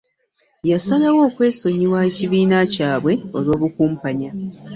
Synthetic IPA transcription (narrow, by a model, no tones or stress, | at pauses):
jasalawo̞ːkwe̞ːso̞ɲiwaeciβiːnacaːβwe̞o̞lwo̞ːβukuːmpaɲa